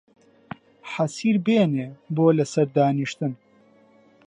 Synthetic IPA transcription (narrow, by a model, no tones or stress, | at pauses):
ħɐsiːɾbeːneːboːlɐsɐɾd̪aːniʃt̪ɨn